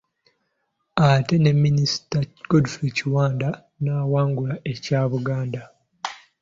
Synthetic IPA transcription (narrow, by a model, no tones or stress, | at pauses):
ate̞ne̞mːinisi̥taɡodufeciwaːnda | naːwaːŋɡulaʔe̞caːβuɡaːnda